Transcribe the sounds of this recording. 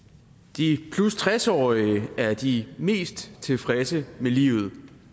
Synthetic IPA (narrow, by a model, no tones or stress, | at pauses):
d̥ipʰlust͡sʰʁɛsɒ̰ːiæɐd̥ime̝̰ːsd̥t͡sʰe̝fʁasəmelḭːʊð̞̩ˠ